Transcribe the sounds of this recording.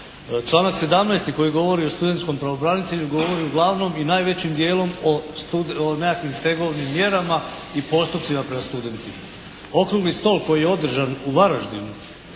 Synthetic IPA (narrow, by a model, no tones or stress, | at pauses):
t͡ʃlaːnakse̞d̪amnaːst̪iko̞jiɡo̞ʋo̞ɾio̞st̪ud̪et̪sko̞mpɾaʋo̞bɾanit̪e̞ʎuɡo̞ʋo̞ɾiuɡlˠaʋno̞minaːjʋe̞t͡ɕimd̪je̞ːlo̞mouonakʋimst̪e̞ɡo̞ʋnimːje̞ɾamaipo̞st̪upt̪simapɾe̞mast̪ud̪e̞nt̪ima | o̞kɾuɡlist̪o̞ːlko̞jijeo̞d̪r̩ʒanuʋaɾaʒd̪imu